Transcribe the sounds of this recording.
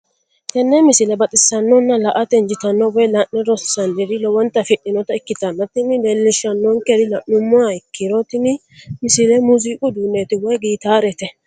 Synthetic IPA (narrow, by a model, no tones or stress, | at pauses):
kɛnːɛmɪsɪlɛbɐt̪ʼɪsːɐnːɔnːɐlɐʔɐt̪ɛnd͡ʒɪt̪ɐnːɔwɛjlɐʔnɛɾɔsɐnd̪ɛɾɪlɔwɔnt̪ɐfɪɗɪnɔt̪ɐɪkːɪt̪ɐnːɔt̪ɪnːɪleːlːɪʃːɐnːɔŋkɛdɪlɐʔʊmːʊaɪkʰːɪɾɔt̪ɪnɪ | mɪsɪlɛmuziːkʼʊd̪uːnːeːt̪ɪwɔjɡiːt̪aːɾɛt̪ɛ